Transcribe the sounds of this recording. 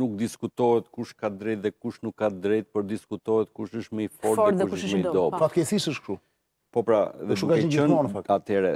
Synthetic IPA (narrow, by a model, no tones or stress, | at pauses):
nuk̚d̪iskut̪ɔɦɛt̪kuʃkad̪ɾɛt̪̚ðɛkuʃnukːad̪ɾɛt̪̚pəɾd̪iskut̪ɔhɛt̪̚kuʃəʃmɛifɔɾɾuʃʃmɛd̪ɔpɾat̪kɛθisəʃktu | pɔpɾaðɛuɡazɛiənɔnəfaat̪ɛɾɛ